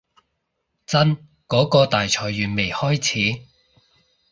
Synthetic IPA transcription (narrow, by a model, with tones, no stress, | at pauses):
t͡sɐ˥n | kɔː˨˥kɔː˧t̪aː˨jt͡ʃʰɔː˨˩jːyː˨nme˨˩jhɔː˥jt͡sʰiː˨˥